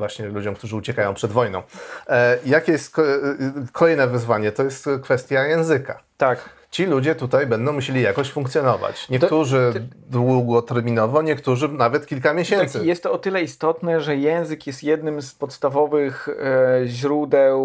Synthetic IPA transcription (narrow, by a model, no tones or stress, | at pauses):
vwaɕɲɛlud͡ʑɔ̃wkt̪uʐɘut͡ɕɛkajɔ̃pʂɛd̪vɔjnɔ̃w̃ | jakʲɛjɛst̪ | kʰɔlɛjnɛvɘzvaɲɛt̪ɔjɛst̪kfɛst̪ʲjajɛ̃w̃zɘka̰t̪ak | t͡ɕilud͡ʑɛt̪ut̪ajbɛnd̪ɔ̃w̃muɕelʲijakɔɕt͡ɕfuŋkt̪sʲjɔnɔva̰t͡ɕɲɛkt̪uʐɘd̪wuɡɔt̪ɛɾmʲinɔvɔɲɛkt̪uʐɘnavɛt̪kʲilkamʲjeɕɛnt̪sɘjɛst̪ːɔːt̪ɘlɛist̪ɔt̪nɛʐɛjɛ̃w̃zɘkjɛst̪jɛd̪nɘmspɔt̪st̪avɔvɘx | ʑɾud̪ɛw